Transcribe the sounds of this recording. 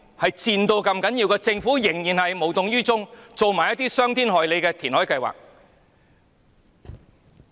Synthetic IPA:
hɐ˨jt͡siː˧nt̪o˧wkɐ˧mkɐ˨˥nji˧wkɛː˧t͡sɪ˧ŋfu˨˥jɪ˨˩ŋjiː˨˩nhɐ˨jmo˨˩wt̪ʊ˨ŋjyː˥t͡sʊ˥ŋt͡so˨wmaː˨˩jɐ˥t̪iː˥sœː˥ŋt̪ʰiː˥nɦɔː˨jle˨˧jkɛː˧t̪ʰiː˨˩nhɔː˨˥jkɐ˧jwa̰ː˨k̚

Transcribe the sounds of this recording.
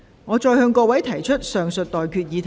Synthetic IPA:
ŋɔː˨˧t͡ʃɔː˧jhœː˧ŋkɔː˧wɐ˨˥jt̪ʰɐ˨˩jt͡ʃʰɵ˥t̚sœː˨ŋsɵ˨t̚t̪ɔː˨jkʰyː˧t̚jiː˨˧t̪ʰ

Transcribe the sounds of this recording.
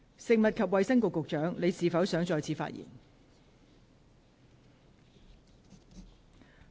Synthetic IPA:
sɪ˨k̚mɐ˨t̚kʰɐ˨p̚wɐ˨jsɐ˥ŋkʊ˨kːʊ˨k̚t͡ʃœː˨˥ŋne˨˧jsiː˨˧fɐ˨˥wsœː˨˥ŋt͡sɔː˧jt͡sʰiː˨˥fa̰˧˥t̚jḭː˨˩n

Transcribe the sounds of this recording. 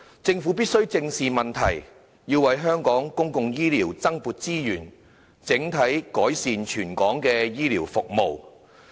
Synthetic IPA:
t͡sɪ˧ŋfuː˨˥piː˥t̚sɵ˥ɥt͡sɪ˧ŋsiː˨mɐ˨˩nt̪ʰɐ˨˩j | jiː˧wɐ˨˧jɦœː˥ŋkɔː˨˥ŋkʊ˥ŋkʊ˧ŋjiː˥liː˨˩wt͡sɐ˥ŋpuː˨˧t̚t͡siː˥jyː˨˩n | t͡sɪ˨˥ŋt̪ʰɐ˨˥jkɔː˨˥jsiː˨˧nt͡ʃʰyː˨˩nkɔː˨˥ŋkɛː˧jiː˥liː˨˩wfʊ˨k̚mo˨w

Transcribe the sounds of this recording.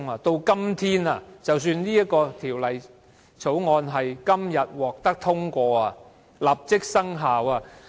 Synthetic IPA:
ŋa˨˧t̪o˧wkɐ˥mt̪ʰiː˥na̰ː˨t͡sɐ˨ws̬yː˧nniː˥jɐ˥t̚kːɔː˧t̪ʰiː˨˩wlɐ˨j | t͡sʰo˨˥wŋɔː˧nɦɐ˨jkɐ˥mjɐ˨t̚wɔː˨˩k̚t̪ɐ˥k̚t̪ʰʊ˥ŋkʷɔː˧a˨ | lɐ˨p̚t͡sɪ˥k̚sɐ˥ŋɦaː˨waː˨˧

